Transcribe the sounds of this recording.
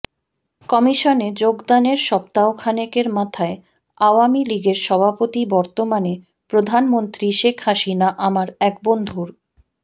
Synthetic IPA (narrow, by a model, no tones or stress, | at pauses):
kɔmiʃoned͡ʑoɡd̪aneɾʃɔpt̪aokʰanekeɾmat̪ʰae | awamiliɡeɾʃɔbʱapot̪ibɔɾt̪omane | pɾod̪ʱanmont̪ɾiʃekʰɦaʃinaʔamaɾɛkbond̪ʱuɾ